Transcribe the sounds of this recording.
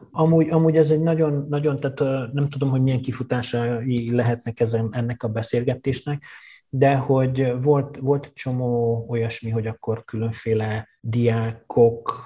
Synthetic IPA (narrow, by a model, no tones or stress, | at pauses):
ɒmuːɟɒmuːɟɛzɛɟnɒɟo̞nːɒɟo̞nt̪aːt̪ːnɛmt̪ud̪o̞mɦoɟmijɛŋkifut̪aːʃɒilɛɦɛt̪nɛkɛzɛnɛnːɛkɒbɛseːlɡɛt̪eːʃnɛk̚d̪ɛho̞ɟvo̞lt̪vo̞lt̪ɛt͡ʃo̞moːo̞jɒʃmiɦo̞ɟɒkːo̞rkylø̞ɱfeːlɛ | d̪ijaːkʰo̞k